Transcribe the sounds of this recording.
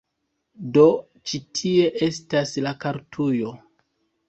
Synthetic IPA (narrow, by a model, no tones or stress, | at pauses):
do̞ | t͡ʃitʰie̞ʔe̞staslakaɾtʰujo̞